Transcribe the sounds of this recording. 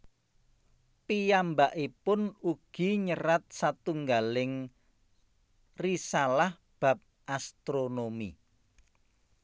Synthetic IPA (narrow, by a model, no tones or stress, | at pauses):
pijambaʔipʊnuɡ̥i̤ɲəɾat̪̚sat̪uŋɡalɪŋ | risalah | b̥a̤p̚ʔast̪ɾonomḭ